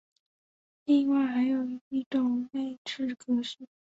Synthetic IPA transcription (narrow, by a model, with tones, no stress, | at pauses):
li˥˧ŋwa˥˩ɪxa˧˥ɪjo˨˩ʊi˥˩ʈ͡ʂʊ˨˩ŋne˥˧ɪʈ͡ʂɻ̩˥˩kɤ˧˥ʂ̩˥˩˦